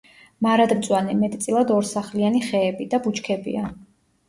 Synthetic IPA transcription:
maɾad̪mt̪sʼwanɛmɛt̪ʼt̪sʼilˠad̪ɔɾsaχlianiχɛːbid̪abut͡ʃʰkʰɛbḭa

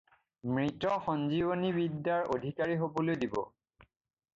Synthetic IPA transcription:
mɹitɔxɔnzibonibidːaɹʔodʱikaɹiɦobolojdibɔ̰

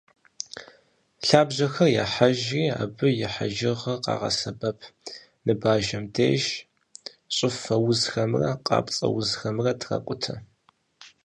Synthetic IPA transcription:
ɬaːbʑɐxɐrjaːħaʒiːa̰ːbɨjɪħa̰ʒɪʁɐqɑ̰ːʁɐ̰sɐbɐpʰ | nɨbaːʒɐmdʰḛːʒ | ɕʼɪfɐwʊzxɐmrɐ̰qʼɑ̰ːpʼt͡sʼɐ̰wʊzxɐmrɐtʰrɐ̰kʷʼʊtʰɐ

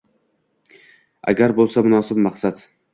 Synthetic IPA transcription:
a̰ɡʲaɾbolˠsamʊnɒːsɪb̚maqsad̪

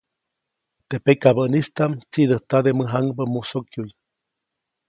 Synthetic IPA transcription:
t̪epekabənist̪amt͡sid̪əht̪ad̪eməɦaŋbəmusokjuj

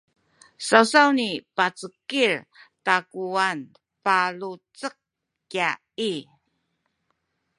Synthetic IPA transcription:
sawsawnipat͡səkiɾtakuan | palut͡sək̚ | kja | i

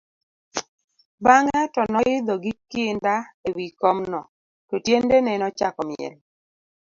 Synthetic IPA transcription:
baŋɛtɔnɔjɪd̪ɔɡikɪndaewikɔmnɔ | tɔtjendenɛnɔt͡ʃakɔmɪɛ̰l

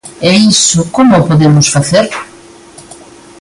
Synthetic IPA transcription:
ɛisʊkomʊpoðemʊsfaθeɾ

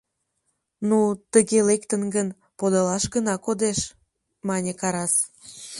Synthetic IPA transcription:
nut̪əɣelekt̪ənɡən | pod̪ɑlɑʃɡənɑkod̪eʃ | mɑnʲekɑɾɑs

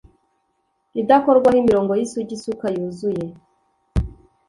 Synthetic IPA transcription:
idakoɾɡwahimiɾo̞ːŋɡojisuɟisukajuːzuje̞

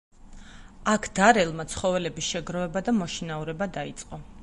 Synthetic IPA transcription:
akʰd̪̥aɾɛlˠmat̪sʰχɔvɛlɛbisʃɛɡɾɔvɛbad̪amɔʃinauɾɛbad̪ait̪sʼqʼɔ

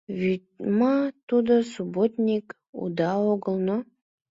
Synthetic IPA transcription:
vit̪̚mɑt̪ud̪əsubot̪nʲik | ṵd̪ɑoɡəlˠno

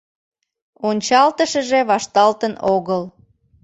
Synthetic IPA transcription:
onʲt͡ɕɑlt̪əʃəʒeβɑʃt̪ɑlt̪ənoɣəl

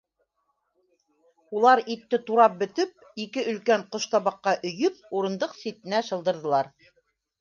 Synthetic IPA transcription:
ulˠɑɾit̪ːɘt̪uɾɑp̚bɵ̆t̪ɵp̚ikɘʔɵ̆lkæɴqŏʃt̪ɑβɑqːɑʔɵ̆jɵp̚uɾɤ̆nd̪ɤqsit̪ɘ̆næʃɤ̆lˠd̪ɤ̆ɾðɤ̆lˠɑɾ

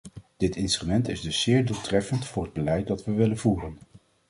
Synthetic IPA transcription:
d̥ɪtɪnstrymɛntɪzdɵsːɪːɹdulˠtrɛfəntfʊːɹəd̚bəlɛjt̚dɑtʋəʋɪlənvuːrən

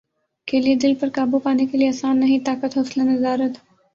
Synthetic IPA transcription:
keːlied̪ɪlpəɾkaːbupaːnekelieɐsaːnːɐɦĩt̪aːkət̪ɦoslanɐzaːɾət̪

